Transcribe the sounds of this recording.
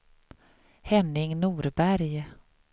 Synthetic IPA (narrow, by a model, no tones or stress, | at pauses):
hɛnːɪŋnuːɾbæɾj